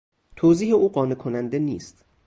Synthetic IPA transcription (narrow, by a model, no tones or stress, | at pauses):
t̪ʰoːziːheuːɢɒːnekʰonænd̪e̞niːst̪